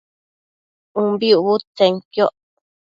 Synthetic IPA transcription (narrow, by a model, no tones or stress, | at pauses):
ũmbiuβut͡sẽŋkjoʔ